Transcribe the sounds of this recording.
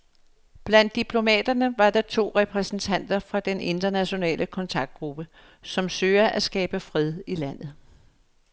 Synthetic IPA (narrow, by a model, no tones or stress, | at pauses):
b̥læn̰d̥ːipʰlo̝mɛ̰ːd̥ɐnəʋɑ̈dɑ̈t͡sʰo̝̰ːʁɛpʰʁɛsn̩t͡sʰæn̰d̥ɐfʁɑ̈d̥ene̝nd̥ɐnæɕo̝nɛ̰ːlʔəkʰɒ̽nt͡sʰɑ̈ɡ̥̚d̥̚ɡ̥ʁub̥ə | sɒ̽msøːɐʔæsɡ̥ɛːb̥əfʁɛð̞ˠilæn̰ð̩ˠ